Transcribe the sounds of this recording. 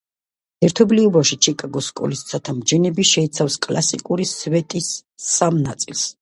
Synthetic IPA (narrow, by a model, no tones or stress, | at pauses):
ɛɾt̪ʰɔbliubafʃit͡ʃʰikʼaɡɔskʼɔ̰list̪sʰat̪ʰamd͡ʒɛnɛbiʃɛit̪sʰafskʼlasḭkʼuɾisvɛt̪ʼisamnat̪sʼilˠs